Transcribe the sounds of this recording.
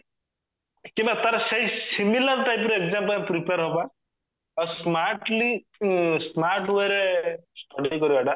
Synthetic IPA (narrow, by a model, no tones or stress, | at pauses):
kĩmbat̪aɾaseɦisimiləɾʈajp̬ɾuekzamplapɾipaɾɦoba | əsmaɾʈli | smaɾʈweɾesʈɔɖikɔɾibaɖa